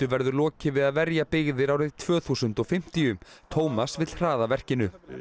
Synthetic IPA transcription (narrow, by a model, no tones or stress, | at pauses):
ʏvɛɾðʏɾlɔːcɪvɪðaðvɛɾjapɪɣðɪɾawɾɪðt̪ʰv̥œːθuːsʏnt̪ɔɣfɪm̥t̪ijʏmt̪ʰoːwmasvɪt̪l̥r̥aːðavɛr̥cɪnʏ